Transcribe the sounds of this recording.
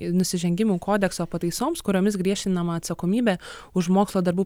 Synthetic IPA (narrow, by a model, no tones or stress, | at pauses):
nʊsʲɪʒʲɛŋʲɡʲɪmuːkoːd̪ʲɛksoːpɐt̪ɐɪsoːmskʊɾʲoːmʲɪsɡɾʲiɛʃʲt̪ʲɪnɐmɐːt̪sɐkoːmʲiːbʲɛʊʃmoːkslˠoːd̪ɐɾbuː